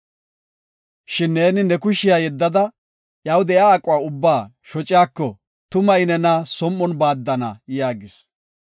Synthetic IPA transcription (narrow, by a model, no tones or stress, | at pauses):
ʃɪnːe̞ːnɪnɛkʊʃɪjaːjɛd̪ːɐd̪ɐ | jɐwd̪ɛjaːkʼʊwaːʊbːaː | ʃɔt͡ʃʼɪjaːkːɔ | t̪ʊmɐjɪnɛnɐsɔmːɔnbaːd̪ːɐnɐ̰jaːɡɪs